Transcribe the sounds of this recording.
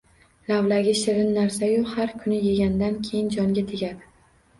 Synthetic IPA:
lavlaɡʲɪʃɪɾɪnːaɾsajohaɾkʰʊnɪjeɡʲand̪ankʲʰejɪnd͡ʒɒŋɡʲat̪ʰeɡʲad̪ɪ

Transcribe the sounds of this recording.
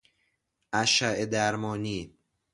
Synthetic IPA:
ʔæʃæʔed̪æɾmɒːniː

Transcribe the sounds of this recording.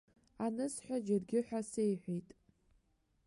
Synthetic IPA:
anɨsħʷᶣad͡ʒɪrɡʲɪħʷᶣasejħʷijtʼ

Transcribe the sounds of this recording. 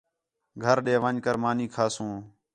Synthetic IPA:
ɡʱəɾɗeːʋəɲkəɾmaːniːkʰaːsũː

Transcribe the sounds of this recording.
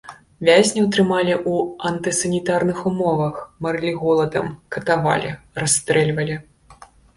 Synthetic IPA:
vʲazʲnʲiwt̪ɾɨmalʲiʔuɐnt̪ɨsɐnʲit̪arnɨxumɔvɐxmɐɾɨlʲiɣɔlˠɐd̪ɐ̰mkɐt̪ava̰lʲḭrast̪ɾɛlʲvɐlʲi

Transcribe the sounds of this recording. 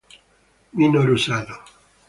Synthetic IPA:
minoɾusaðo

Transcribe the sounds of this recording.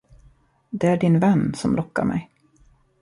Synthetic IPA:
d̪ɛæɖɪnvɛnːsɔmlɔkːa̰ɾmɛ̰j

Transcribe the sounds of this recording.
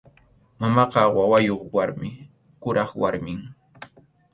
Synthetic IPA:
mamɑqɑwawajoχwaɾmɪ | kʊɾɑχwaɾmɪŋ

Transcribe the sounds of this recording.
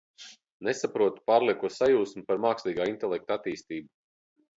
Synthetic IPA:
nesapɾuɔt̪u̥paːɾliɛkuɔsajuːsmupaɾmaːkslʲiːɡaːint̪ɛlˠɛkt̪at̪iːst̪iːbu

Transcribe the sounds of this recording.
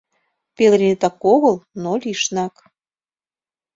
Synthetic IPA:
pelɾʲinet̪ɑkoɣəlnolʲiʃnɑk

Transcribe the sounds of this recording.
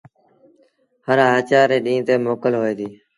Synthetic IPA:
həɾɦaːt͡ʃaːɾeːɗĩːt̪eːmoːkəlɦoːeːd̪iː

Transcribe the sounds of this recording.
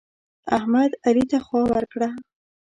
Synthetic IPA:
ahmad̪alit̪axwɑwaɾkɽa

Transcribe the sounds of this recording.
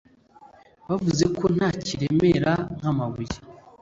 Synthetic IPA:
βavuze̞kʰo̞n̥haːciɾe̞me̞ɾaŋ̥hamaβuɾi

